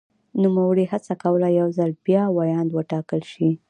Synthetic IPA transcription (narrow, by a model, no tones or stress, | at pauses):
numawəɽihat͡sakawəlajawzalb̥jɑwajɑnd̪wəʈɑkəlʃi